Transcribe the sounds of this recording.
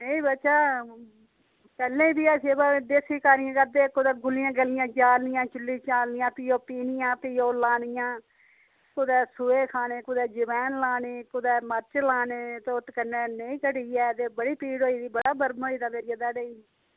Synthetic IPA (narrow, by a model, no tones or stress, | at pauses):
eiːbət͡ʃaː | kəlːẽːbiːaːseːbaːd̪eːsiːkaːnɪjãːkəɾd̪eːkʊd̪ɛːɡʊlɪjãːɡəlɪjãːd͡ʒaːlnɪjãːt͡ʃʊlːiːt͡ʃaːlnɪjãːpɪjoːpiːnɪjãːpɪjoːlaːnɪjãː | kʊd̪ɛːsʊeːkʰaːneːkʊd̪ɛːd͡ʒɪʋɛːnlaːneːkʊd̪ɛːməɾt͡ʃlaːneːt̪eʊt̪kənːeːneĩːkəʈiːɛːt̪eːbəɽiːpiːɽɦoːiːd̪iːbəɽaːbəɾmoːiːd̪aːmeːɾɪjaːd̪aːɖeiː